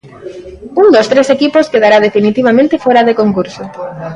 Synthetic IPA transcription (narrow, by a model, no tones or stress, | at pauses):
uŋd̪ost̪ɾesekiposkeðaɾað̞efinit̪iβ̞amẽnt̪efoɾaðekoŋkuɾso